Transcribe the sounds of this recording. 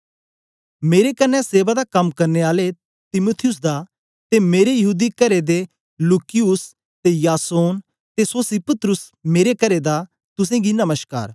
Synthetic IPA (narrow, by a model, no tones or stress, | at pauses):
meːɾekɐnːɛseːbad̪akɐmkɐɾneaːle | t̪ɪmut̪ʰɪjʊs̬d̪a | t̪emeːɾejɐɦuːd̪ikɐɾed̪e | luːkɪjʊs | t̪ejaːsoːn | t̪esoːsipət̪ɾʊsmeːɾekɐɾed̪a | t̪ʊs̬ẽɡinɐməʃka̰ːɾ